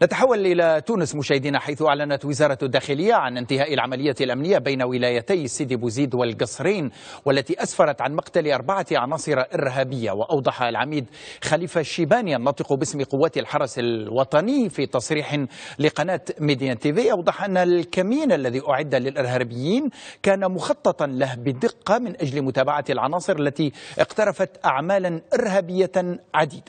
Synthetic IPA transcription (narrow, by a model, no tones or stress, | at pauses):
nat̪aħawːalʔɪlat̪uːnɪsmʊʃaːhɪd̪iːnaħajθʊʔaʕlanat̪wɪzɑːɾˤɑd̪ːaːxɪlɪjːaʕanɪnt̪ɪhaːʔɪlʕamalɪjːaalʔamnɪjːabajnawɪlaːjat̪ajsːiːd̪ibuziːd̪walɡɑsˤɾiːn | walːæt̪iʔasfɑɾˤɑt̪ʕanmɑqt̪aliʔɑɾˤbaʕat̪ʕɑ̰nɑːsˤɨɾˤɑʔɪɾɦaːbɪjːa̰wɪʔɑwd̪ˤɑħɑlʕamiːd̪xaliːfaʃːiːbaːniʔɑnːɑːt̪ˤɨqubɪsmqʊwːaːt̪alħɑɾˤɑsalwɑt̪ˤɑnɪjfiːt̪ɑsˤɾiːħlɪqɑnaːt̪med̪jant̪iːviːʔɑwd̪ˤɑħʔanːalkamiːnʔalːaðiʔʊʕɪd̪ːalɪlʔɪɾɦaːbɪjːiːnkaːnamʊxɑt̪ˤːɑt̪ˤɑlahbɪd̪ɪqːɑmɪnʔad͡ʒlmʊt̪aːbaʕalʕɑ̰nɑːsˤɨɾʔalːat̪iʔɪ̰qt̪ɑɾˤɑfat̪ʔaʕmaːlanʔɪɾɦaːbɪjːaʕad̪iːd̪a